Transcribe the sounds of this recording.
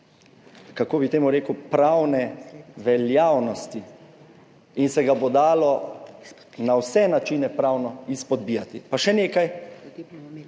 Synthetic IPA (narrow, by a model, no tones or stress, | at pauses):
kakoːbit̪eːmuɾeːkupɾawnɛʋɛljaːwnɔst̪i | insɛɡabod̪aːlɔ | nawsɛnat͡ʃinɛpɾawnɔispɔd̪bijat̪ipaʃɛneːkaj